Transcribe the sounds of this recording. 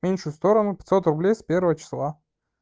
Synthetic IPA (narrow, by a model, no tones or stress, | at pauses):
mʲenʲʂʊst̪o̞ɾənʊpʲɪ̥t̪ʲsot̪rʊblʲejspʲervəvət͡ɕɪ̥slˠa